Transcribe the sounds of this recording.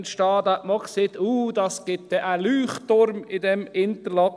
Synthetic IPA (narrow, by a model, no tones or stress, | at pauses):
nʃtɑːd̪æʔmɔkseːt̪uːd̪ɑsɡ̥ɪt̪̚d̥̪ɛʔalyːχt̪ʊɾmɪdɛmɪnt̪əɾlɑ